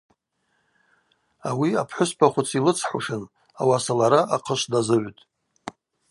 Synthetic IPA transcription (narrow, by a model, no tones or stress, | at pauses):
awiapʰħʷʊspʰaχʷʊt͡sʰilɨt͡sʰħʷṵʂɨn | a̰wasalaɾaʔaqʰəʃʷdazɨʕʷtʼ